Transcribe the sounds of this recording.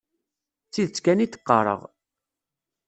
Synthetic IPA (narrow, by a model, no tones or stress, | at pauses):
t͡sːiðt͡sːkænit̪ə̥qːɑɾˤə̰ʁ